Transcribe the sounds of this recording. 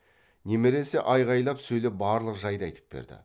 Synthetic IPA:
nemeɾe̞se̞̰ʔɑjʁɑjlˠɑpsɵjlep̚bɑːɾlˠəqʒɑjd̪ɑjt̪ʰə̥p̚b̥ḛɾd̪ɪ̰

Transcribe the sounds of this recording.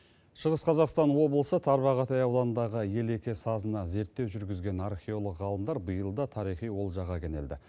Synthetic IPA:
ʃəʁəsqʰɑzɑqst̪ɑnwo̞blˠəsət̪ʰɑɾβɑʁɑt̪ɑjɑwlˠɑnənd̪ɑʁəje̞le̞kʲesɑzənɑze̞ɾt̪ːe̞wʒʏɾɡʲɪzɡʲe̞nɑɾχʲio̞lˠəqʁɑlˠəmd̪ɑɾbəjəlˠd̪ɑt̪ʰɑɾijχijwo̞lˠʒɑʁɑkʲʰene̞̰ld̪ɪ

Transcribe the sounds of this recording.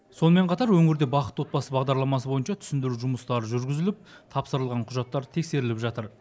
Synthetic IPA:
so̞nəme̞ɴqʰɑt̪ɑɾwɵŋɪɾd̪e̞bɑqət̪wo̞t̪̚bɑsəbɑʁd̪ɑɾlˠɑmɑs̬əbo̞jənʃɑt̪ʰʏsɪnd̪ɪɾuʒʊməst̪ɑɾəʒʏɾɡʲɪzɪlɪp̚t̪ʰɑpsəɾəlˠʁɑɴqʰʊʒɑt̪ːɑɾt̪ʰe̞kse̞ɾɪlɪpʒɑt̪əɾ

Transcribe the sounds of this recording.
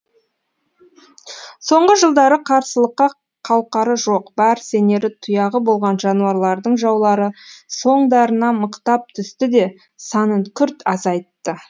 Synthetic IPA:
so̞ɴʁəʒəlˠd̪ɑɾəqʰɑɾsəlˠəqːɑ | qʰɑwqɑɾəʒo̞qbæɾse̞ne̞ɾɪt̪ʰʊjɑʁəbo̞lˠʁɑnʒɑnuɑɾlˠɑɾd̪əɴʒɑwlˠɑɾəso̞ɴd̪ɑɾənɑməqt̪ɑp̚t̪ʰʏst̪ɪd̪e̞ | sɑnəɴkʲʰʏɾt̪ɑzɑjt̪ːə

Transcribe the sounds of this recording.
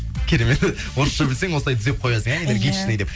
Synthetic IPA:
kʲʰeɾemet̪ | wʊɾəsʃəbɪlseŋwo̞səlˠɑj̪ʰɪzep̚qʰo̞jɑsəŋæjd̪eɾɡʲijt̪ʃɪnejd̪ep̚

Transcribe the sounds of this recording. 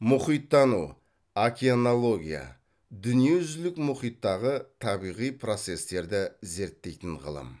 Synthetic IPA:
mʊχijt̪ːɑnu | akʲianolˠo̞ɡʲija̰ | d̪ʏnije̞ʒʏzlɪkmʊχijt̪ːɑʁət̪ʰɑbijʁijpʰro̞t̪se̞st̪e̞ɾd̪ɪze̞ɾt̪ːe̞jt̪ɪɴʁə̰lˠə̰m

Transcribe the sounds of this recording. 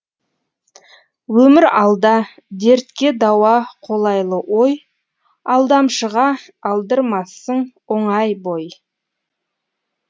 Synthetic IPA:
wɵmɪɾɑlˠd̪ɑ | d̪eɾt̪kʲe̞d̪ɑwɑqʰo̞lˠɑjlˠəwoj | ɑlˠd̪ɑmʃəʁɑ | ɑlˠd̪əɾmɑsəɴwoɴɑjbo̞j

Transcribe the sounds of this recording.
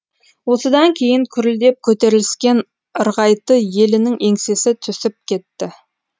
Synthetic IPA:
wo̞səd̪ɑŋkʲʰe̞jɪŋkʲʰʏɾld̪e̞p̚kʲʰɵt̪e̞ɾɪlɪskʲe̞n | əɾʁɑjt̪əje̞lɪnɪŋe̞ŋse̞sɪt̪ʰʏsɪp̚kʲʰe̞t̪ːɪ

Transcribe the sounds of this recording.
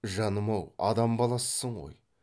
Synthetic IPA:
ʒɑnəmɑwɑ̰d̪ɑmbɑlˠɑsːəɴʁo̰j

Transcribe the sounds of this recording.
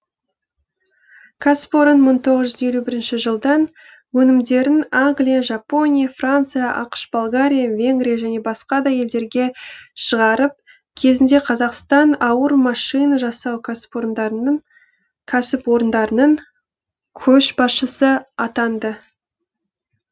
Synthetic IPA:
kʰaspoɾənməɴt̪ʰo̞ʁəzʒʏze̞lʲubɪɾɪnʃɪʒəlˠd̪ɑn | wɵnɪmd̪e̞ɾɪnaŋɡlijaʒɑpo̞nʲijafrant̪sɨjaʔɑqʃbolˠɡaɾʲijavʲe̞ŋɡɾʲijaʒæne̞bɑsqɑd̪ɑje̞ld̪e̞ɾɡʲe̞ʃəʁɑɾəp̚ | kʲʰe̞zɪnd̪e̞qʰɑzɑqst̪ɑnɑwəɾmɑʃijnɑʒɑsɑwkʲʰaspoɾnd̪ɑ | kʲʰæsɪpwo̞ɾənd̪ɑɾənəɴ | kʲʰɵʃbɑsʃəsəɑt̪ɑnd̪ə

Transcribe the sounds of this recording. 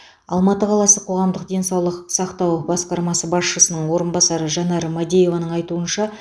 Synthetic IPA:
ɑ̰lˠmɑt̪əqʰɑlˠɑsəqʰo̞ʁɑmd̪əqd̪e̞nsɑwlˠəqsɑqt̪ɑwbɑsqɑɾmɑsəbɑsʃəsənəɴwo̞ɾənbɑsɑɾəʒɑnɑɾəmad̪ejo̞vɑnəɴɑjt̪uənʃɑ

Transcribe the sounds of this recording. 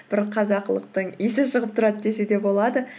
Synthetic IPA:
b̥ɪɾqʰɑzɑqlˠə̰q̚t̪əɴijsɪʃəʁəp̚t̪ʰʊɾɑd̪əd̪e̞se̞d̪e̞bo̞lˠɑd̪ə

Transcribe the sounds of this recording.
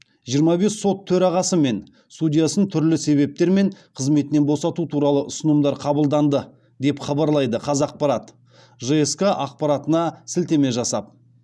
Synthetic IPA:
ʒijəɾmɑbe̞sːo̞t̪ʰːɵɾɑʁɑsəme̞n | sudʲijasənt̪ʰʏɾlɪse̞βe̞p̚t̪e̞ɾme̞ɴqʰəzme̞t̪ɪne̞nbo̞sɑt̪ut̪ʰuɾɑlˠəʔʊsənəmd̪ɑɾqʰɑbəlˠd̪ɑnd̪ə | d̪e̞pχɑbɑɾlˠɑjd̪əqʰɑzɑq̚pɑɾɑt̪ | ʒeeskaʔɑq̚pɑɾɑt̪ənɑsɪlt̪e̞me̞ʒɑsɑp̚

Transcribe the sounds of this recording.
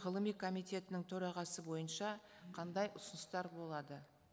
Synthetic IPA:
ʁəlˠəmijkʰo̞mijt̪ʲe̞t̪ɪnɪŋt̪ʰɵɾɑʁɑsəbo̞jənʃɑqʰɑnd̪ɑjʔʊsʊnəst̪ɑɾbo̞lˠɑd̪ə

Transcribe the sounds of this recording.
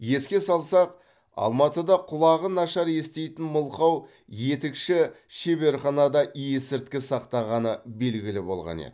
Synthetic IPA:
je̞skʲe̞sɑlˠsɑq | ɑ̰lˠmɑt̪əd̪ɑqʰʊlˠɑʁənɑʃɑɾje̞st̪e̞jt̪ɪnmʊlˠχɑw | je̞t̪ɪkʃɪʃe̞be̞ɾχɑnɑd̪ɑʔijesɪɾt̪̚kʲɪsɑqt̪ɑʁɑnəbe̞lɡʲɪlɪbo̞̰lˠʁɑ̰nḛd̪ɪ

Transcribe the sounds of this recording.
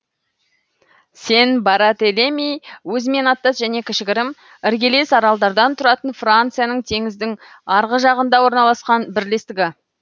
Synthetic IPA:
se̞nbɑɾɑt̪elemijwɵzɪme̞nɑt̪ːɑsʒæne̞kʲʰɪʃɪɡʲɪɾɪm | ɪɾɡʲe̞le̞sɑɾɑlˠd̪ɑɾd̪ɑnt̪ʰʊɾɑt̪ənfrant̪sɨjanəɴt̪ʰe̞ŋɪzd̪ɪŋ | ɑɾʁəʒɑʁənd̪ɑwo̞ɾnɑlˠɑsqɑnbɪɾle̞st̪ɪɡʲɪ

